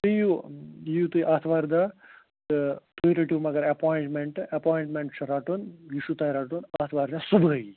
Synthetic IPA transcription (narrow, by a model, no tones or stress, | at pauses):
t̪ɨjujut̪ujʔaːt̪ʰʋaːɾd̪a | t̪ɨt̪uiɾɐʈuːmɐɡɐɾɐpoːjiɳʈmeɳʈɐpaːjiɳʈmeɳʈt͡ʃʰɐɾaːʈunjiʃut̪ajɾaʈunat̪ʰʋaːɾd̪asubʱəi